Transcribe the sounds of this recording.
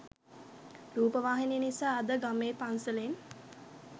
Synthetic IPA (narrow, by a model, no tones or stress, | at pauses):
ɾuːpəʋaːɦinejnisaːd̪əɡameːpansələn